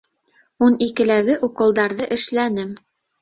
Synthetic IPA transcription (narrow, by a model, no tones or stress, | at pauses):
unikɘ̆læɡɘʔuqɤ̆lˠd̪ɑɾðɤʔɘ̆ʃlænɘm